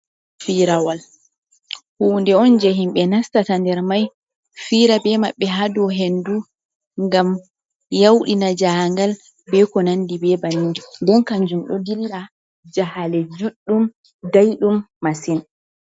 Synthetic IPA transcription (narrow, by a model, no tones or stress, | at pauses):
fiɾawal | huːndɛɔnd͡ʒɛɦimɓɛnastatandɛɾmaj | fiːɾabɛmaɓːɛɦadɔɦendu | ŋɡam | jawɗinad͡ʒaŋɡal | bɛkɔnandibɛbanid͡ʒɔndɛnkaɲd͡ʒunɗɔ̰dilːa | d͡ʒahalɛd͡ʒuɗːum | dajɗumːasin